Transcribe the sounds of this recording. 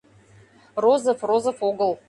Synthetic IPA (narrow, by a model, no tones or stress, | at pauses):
rozəfrozəfoɡəlˠ